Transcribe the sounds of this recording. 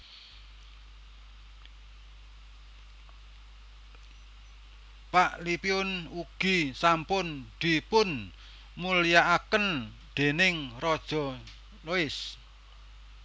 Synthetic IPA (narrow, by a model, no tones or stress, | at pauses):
paʔlipiʊnuɡ̥i̤sampʊnd̪̥i̤pʊn | mulijaʔakən | d̪̥e̤nɪŋrɔd̥ʒ̥ɔ̤ | loɪs